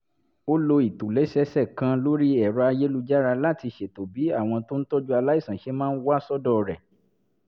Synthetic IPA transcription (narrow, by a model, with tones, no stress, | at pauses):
o˦lo˧i˨tu˨le˨˦sɛ˦sɛ˦˨kã˧lo˦ɾi˦ɛ˦˨ɾɔ˧a˧je˦lu˧d͡ʒa˦ɾa˧la˦˨ti˧ʃe˨to˨bi˨˦a˦˨w̃ɔ̃˧to˦n̩˦to˦d͡ʒu˦a˧la˦i˦˨sã˨ʃe˨˦mãː˦n̩˦wa˦˨sɔ˦dɔ˦˨ɾɛ˨